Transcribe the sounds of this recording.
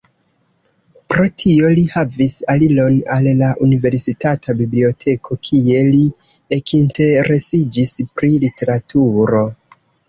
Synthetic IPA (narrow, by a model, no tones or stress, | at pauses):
pɾo̞tʰio̞lihavisalilo̞nalːaʔunive̞ɾsitatʰabiblio̞tʰe̞kʰo̞kʰie̞li | ekʰinte̞ɾe̞sid͡ʒispɾilite̞ɾatʰuɾo̞